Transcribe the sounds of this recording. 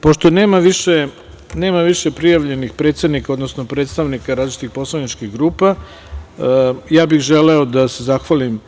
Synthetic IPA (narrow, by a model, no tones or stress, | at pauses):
po̞ʃt̪o̞neːmaʋiʃe̞ | ne̞ːmaʋiʃe̞pɾijaʋʎe̞nixpɾe̞t̪sed̪nikao̞d̪no̞sno̞pɾe̞ːt̪st̪aʋnikaɾazlit͡ʃi̥t̪ixpo̞slˠanit͡ʃkiɣɡɾuːpa | jaːbixʒeleo̞d̪ase̞zaxʋalim